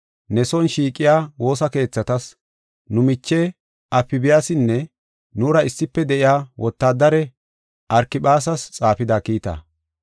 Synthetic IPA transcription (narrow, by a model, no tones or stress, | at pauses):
nɛsɔnʃiːkʼːɪjaːwo̞ːsɐke̞ːt͡sːɐt̪ɐs | nʊmɪt͡ʃːɛ | ʔɐpːɪbɪjaːsɪnːɛ | nuːɾɐɪsːɪpːɛd̪ɛʔɪjaːwɔt̪ːaːd̪ɐɾɛ | ʔɐɾkɪɓaːs̬ɐst͡sʼaːfɪd̪aːkiːt̪ɐ̰